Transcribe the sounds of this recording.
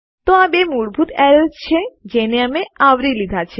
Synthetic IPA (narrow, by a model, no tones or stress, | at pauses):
t̪oabemuɽbʱut̪ɛɾəlst͡ʃʰed͡ʒeneəmeaʋɾilid̪ʱat͡ʃʰe